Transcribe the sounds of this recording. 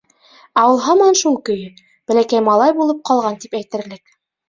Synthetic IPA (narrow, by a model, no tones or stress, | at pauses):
æwɤ̆lˠɦɑmɑnʃulˠkɵ̆jɵ | b̥æ̆lækæjmɑlˠɑjbulˠɤp̚qɑlˠʁɑnt̪ipæjt̪ɘ̆ɾlɘk